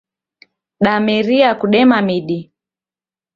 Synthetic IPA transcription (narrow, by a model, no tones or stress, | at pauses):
ɗamɛɾiakuɗɛmamiɗi